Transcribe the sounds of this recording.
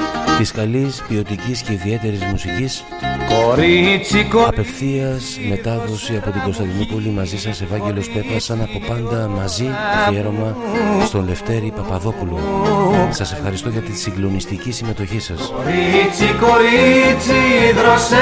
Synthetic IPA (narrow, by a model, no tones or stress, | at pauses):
t̪iskɐlispio̞t̪icisce̞iðie̞t̪e̞ɾizmusicis | koɾit͡sikɐpe̞fθiɐsme̞t̪ɐðo̞siɐpo̞t̪iŋɡo̞st̪ɐnd̪inopolimɐzisɐse̞vɐɲɟe̞lo̞spe̞p̪ɾɐsɐnɐpo̞pɐnd̪ɐmɐzit̪ofieɾo̞mɐst̪o̞nle̞ft̪e̞ɾipɐpɐðo̞pulo | sɐse̞fxɐɾist̪o̞ʝɐt̪isiŋɡlo̞nist̪icisime̞t̪o̞çisɐsɾit͡sikoɾit͡siðɾɐs